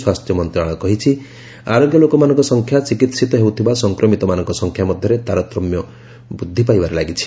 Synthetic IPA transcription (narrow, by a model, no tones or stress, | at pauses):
swast̪ʰjɔmɔnt̪ɾaɭ̃ɔkɔɦit͡ʃʰi | aɾoɡjɔlokɔmanɔ̃ŋkɔsɔŋkʰjat͡ʃikit̪sit̪ɔɦewt̪ʰibasɔŋkɾɔmit̪ɔmanɔŋkɔsɔŋkʰjamɔd̪ʱjɔɾet̪aɾɔt̪ɾɔmjɔ | bud̪ʱːipajbaɾelaɡit͡ʃʰi̥